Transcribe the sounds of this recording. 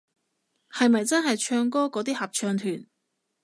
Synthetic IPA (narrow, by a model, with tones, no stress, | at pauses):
hɐ˨jmɐ˨jt͡sɐ˥nɦɐ˨jt͡ʃʰœː˧ŋkɔː˥kɔː˨˥t̪iː˥hɐ˨p̚t͡ʃʰœː˧ŋt̪ʰyː˨˩n